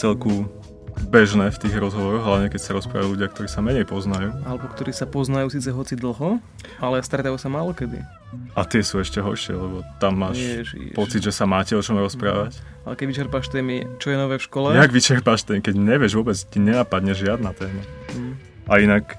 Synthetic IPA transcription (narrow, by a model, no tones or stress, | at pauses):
t͡sɛlku | bɛʒnɛːft̪iːɣɾɔzɦɔʋɔɾɔɣɦlaʋɲɛkɛcsaɾɔspɾa̰ːʋajuluɟɪak̚t̪ɔɾiːsamɛɲɛjpɔznajuːalɛbɔkt̪ɔɾiːsapɔznajuːsiːt͡sɛɦɔt͡sid̪l̩ˠɦɔ | alɛst̪ɾɛt̪ajusamaːlɔkɛd̪ḭ | ʔat̪ɪɛsuɛʃcɛɦɔ̰ɾʃɪɛ̰lɛbɔt̪amːaːʃpɔt͡sid̪ʒɛsamaːcɛɔt͡ʃɔmɾɔspɾa̰ːʋac | alɛkɛɟʋit͡ʃɛɾpaʃt̪ɛːmit͡ʃɔjɛnɔʋɛːfʃkɔlɛaɡʋit͡ʃɛɾpaʃt̪ɛkɛɟɲɛʋɪɛʒʋʊɔbɛd͡zciɲɛnapad̪ɲɛʒʒɪad̪nat̪ɛːma | ʔainak